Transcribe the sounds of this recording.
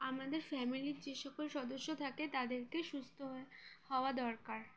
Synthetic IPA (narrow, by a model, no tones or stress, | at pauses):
amad̪eɾfɛmiliɾd͡ʑeʃɔkolʃɔd̪oʃːot̪ʰaket̪ad̪eɾkeʃust̪ʰoɦehɔoad̪ɔɾkaɾ